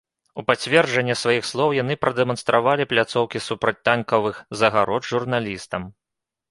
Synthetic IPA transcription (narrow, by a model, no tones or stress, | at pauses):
upat͡sʲvʲɛrʐɐnʲːɐsvajixslˠɔwjanɨpɾʔɐd̪ɛmɐnst̪ɾavalʲiplʲat̪sɔwkʲisupɾɐt͡sʲt̪ankɐvɨxzɐɣaɾɔd̪ʐurnalʲist̪ɐm